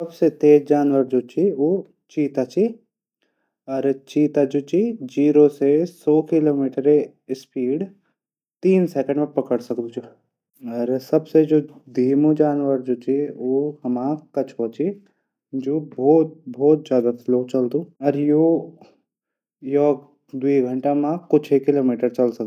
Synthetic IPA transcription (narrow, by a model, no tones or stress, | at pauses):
sɐbset̪eːd͡ʒaːnʋəɾd͡ʒoːt͡ʃʰioː | t͡ʃiːt̪at͡ʃi | ɔɾt͡ʃiːt̪ad͡ʒoːt͡ʃid͡ʒiːɾosesɔːkɪloːmiːʈəɾe | ɪspʰiːɽ | t̪iːnsɛːkə̃ɳɖmẽpɐkəɽsɐkd̪ũd͡ʒo | ɔɾsɐbsed͡ʒoːd̪ʱiːmod͡ʒaːnʋəɾd͡ʒoːt͡ʃioːhɐmãːkɐt͡ʃʰɔːt͡ʃʰi | d͡ʒoːbɔːt̪̚bʱɔːt̪zjaːd̪asloːt͡ʃɐld̪ũɔːɾjoː | jɔːɡ | d̪uiɡʱə̃ɳʈamãkʊt͡ʃʰekɪloːmiːʈəɾt͡ʃɐlsɐk̪̚u